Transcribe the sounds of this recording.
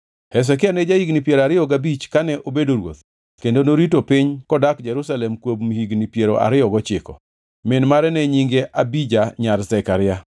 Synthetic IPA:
hɛs̬ɛkɪanɛd͡ʒaiɡnipjeɾaɾɪjɔɡabit͡ʃkanɛʔobedoɾwo̰t̪ | kendonoɾitopɪɲkɔdakd͡ʒɛɾusalɛmkwobmhiɡnipjeɾoʔa̰ɾɪɔɡɔt͡ʃɪkɔ̰ | mɪnmaɾɛnɛɲiŋɡeʔabid͡ʒaɲarzɛkaɾɪja

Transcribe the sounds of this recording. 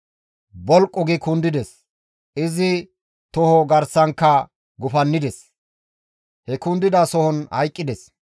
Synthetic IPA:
bɔlkʼːɔɡɪkʊnd̪ɪd̪ɛs | ɪzɪ | t̪ɔhɔɡɐɾsɐŋkːɐ | ɡʊfɐnːɪd̪ɛs | hɛkʊnd̪ɪd̪asɔhɔnhɐ̰jkʼːɪd̪ɛs

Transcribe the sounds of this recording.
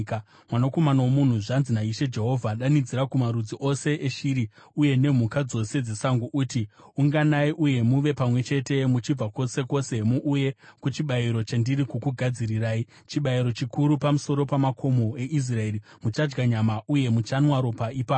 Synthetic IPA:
ka | mwanako̞manaomun̤uʐanzinaiʃe̞d͡ʒe̞ɦo̞vʱaɗanid͡ziɾakumaɾud͡ziʔo̞se̞ʔeʃiɾiuje̞ne̞m̤ukad͡zo̞se̞d͡ze̞saŋɡuʔutiuŋɡanaiʔuje̞muʋe̞pamwe̞t͡ʃe̞te̞mut͡ʃib͡vako̞se̞ko̞se̞muʔuje̞kut͡ʃiɓaiɾo̞t͡ʃandiɾikukuɡʱad͡ziriraːi | t͡ʃiɓaiɾo̞t͡ʃikʰuɾupamuso̞ɾo̞pamakʰo̞moe̞ʔis̬rae̞ːri | mut͡ʃad͡ʒɡaɲamaʔuje̞mut͡ʃanwaɾo̞paipaːpo

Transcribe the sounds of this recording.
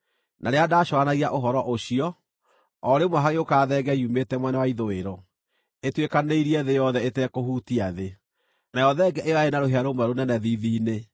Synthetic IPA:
nʔaɾeadaːʃɔanaɣiaʔoɦɔɾɔʔoɕiɔ | ɔɾemwaɦaɣeokaːðɛːɡɛiumetɛmwɛnawaiðoeɾɔ | etwekaneiɾiɛðejɔðɛetɛkohuːtiaðe | najɔðɛɡɛʔeaenaɾoɦeaɾomwɛɾonɛnɛðiðiːne

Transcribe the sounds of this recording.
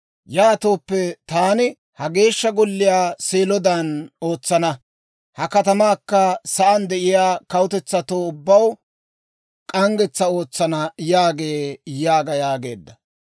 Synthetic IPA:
jaːt̪o̞ːpːɛt̪aːnɪ | hɐɡe̞ːʃːɐɡɔlːɪjaːseːlɔd̪ɐno̞ːt͡sːɐnɐ | hɐkɐt̪ɐmaːkːɐsɐʔɐnd̪ɛʔɪjaːkɐwʊt̪ɛt͡sːɐt̪oːʊbːɐw | kʼɐŋɡɛt͡sːɐo̞ːt͡sːɐnɐjaːɡe̞ːjaːɡɐjaːɡe̞̰ːd̪ːɐ

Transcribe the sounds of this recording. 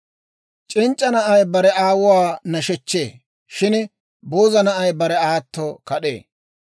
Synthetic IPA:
t͡ʃʼɪnt͡ʃʼːɐnɐʔɐjbɐɾɛʔaːwʊwaːnɐʃɛt͡ʃːeː | ʃɪn | boːzɐnɐʔɐjbɐɾɛaːt̪ːɔkɐɗḛː

